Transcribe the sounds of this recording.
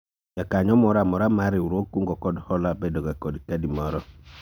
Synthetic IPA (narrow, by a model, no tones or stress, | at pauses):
jakaɲɔmɔɾamɔɾamaɾiuɾokuŋɡɔkɔdhɔlabɛdɔɡakɔdikadimɔɾɔ